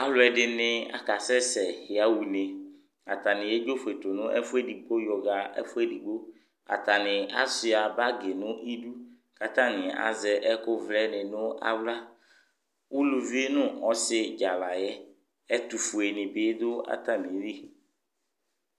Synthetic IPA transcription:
a˨lʊ˨ɛ˨ɖɪ˨nɪ̃˨a̰˨ka˨sɛ˦sɛ˨hɪ˨a˨wu˨ne˨ | a˨t̪a˨nɪ̃˨jɛ˦d͡ʒo˦fe˨t̪o˨nʊ̃˦ʔɛ̰˦fʊ˦ɛ˦di˨k͡po˦jɔ˨ɣa˨ɛ̰˦fʊ˦ɛ˦di˨k͡po˦ | a̰˨t̪a˨nɪ˨a̰˦sɪ˨a˨ba˦ɡɪ˨nʊ̃˦ʔi˦du˦ | ka˨t̪ã˦nɪ̃˨a̰˨zɛ˨ʔɛ˦kʊ˦vlɛ˦nɪ˨nʊ̃˦a̰˦wla˦ | wu˦lu˨vi˦nʊ̃˦ɔ˦sɪ˦d͡ʒa˨la˨jɛ˦ | ɛ˦t̪u˨fu˨e˨nɪ̃˨bɪ˦d̪ʊ˦a̰˦t̪a˨mɪ̃˨˦ɾi˦

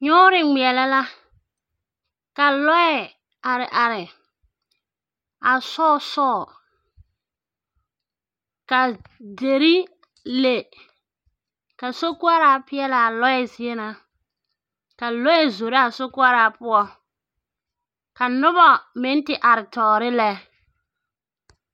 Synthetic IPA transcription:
ɲʊ˦ɾɪ˨ŋ͡mi˨ɛ˨lɛ˦la˦ | ka˨lɔ˦ɛ˨ | a˨ɾɪ˨ʔa˨ɾɪ˨ | a˨sɔː˦˨sɔː˦˨ | ka˨de˨ɾi˦ | le˨ | ka˨so˦ku˦a˦ɾa˦pɪ˦ɛ˦la˨a˨lɔ˦ɛ˦zɪ˨˦ɛ˦na˨ | ka˨lɔ˦ɛ˦˨zo˨ɾɪ˦a˨so˦ku˦a˦ɾa˨pʊ˦ɔ˦ | ka˨nʊ˦βɔ˨mɪ˨˦n˦tɪ˦ʔa˨ɾɪ˨tɔː˨ɾɪ˦lɛ˦

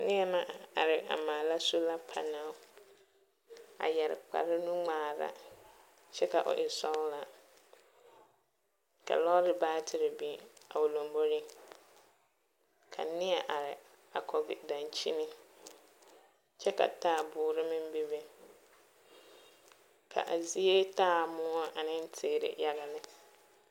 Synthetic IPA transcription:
nɪ˦ɛ˦ma˦a˨ɾɪ˨ʔa̰˨maː˨la˦so˦la˦pʰa̰˨na˨ʊ˦ | a̰˨jɛ˨ɾɪ̰˨k͡pa̰˨ɾɪ˦nũ˦ŋ͡maː˨ɾa̰˨ | t͡ʃɛ˦ka˨ʔʊ̰˨ʔɪ˨sɔ˦la˨ | ka̰˨lɔ˦ɾɪ˦baː˦tʰɪ˨ɾɪ˨bi˨a̰˨ʊ˨lo˨mbo˦ɾɪ˦ | kʰa̰˨nɪ˦ɛ˨ʔa˨ɾɪ˨ | a˨kʰɔ˨ɡɪ˨da˨nt͡ʃi˦nɪ˦ | t͡ʃɛ˦ka̰˨taː˦˨bʊː˨ɾɪ˦mɪ˦m˦be˦be˨ | kʰa̰˨ʔa˨zi˦e˦taː˦˨mʊ˦ɔ˦ʔa˨nɪ˦n˦tʰɪ˨ɾɪ̰˨ja˦ɣa˨nɪ˦

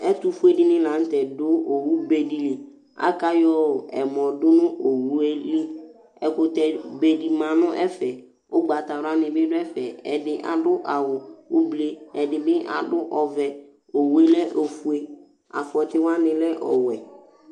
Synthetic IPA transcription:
ɛ˦tʊ˦fu˦e˦dɪ˦nɪ̃˦lã˨˦n̩˦tɛ˨dʊ˦o˨wu˦be˨di˨li˨ | a̰˦ka˦jɔ˦˨ɛ˨mɔ̃˨dʊ˦nʊ̃˦o˨wu˦e˦li˦ | ɛ˨kʊ˨tɛ˨be˨di˨mã˨nʊ̃˦ʔɛ˦fɛ˨ | ʊ˦ɡ͡ba˨ta˨ɾʊ˨˦a˦nɪ̃˨bɪ˦dʊ˦ɛ˦fɛ˨ɛ˨dɪ˦ʔa̰˨dʊ˦ʔa˨wʊ˨o˦ble˦ɛ˨dɪ˨bɪ˦ʔa̰˨dʊ˦ʔɔ˨vɛ˨ | o˨wu˦e˦lɛ˦ʔo˨fu˦e˦ | a̰˨fɔ˨tɪ˦wa˦nɪ̃˨lɛ˦ʔɔ̰˨wɛ˨

